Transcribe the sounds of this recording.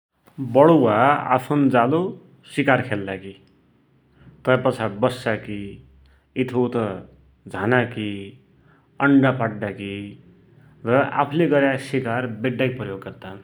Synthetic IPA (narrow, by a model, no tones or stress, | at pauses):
bʌɽowaa̰pʰund͡zalo | sikarkʰeld̪aki | t̪ʌpʌt͡sʰabʌsːaki | it̪ʰowt̪ʌ | d͡zʱanaki | ʌɳɖapaɖːaki | rʌa̰pʰuleɡʌɾjasikarbeɖːaipʌjoɡkʌt̪a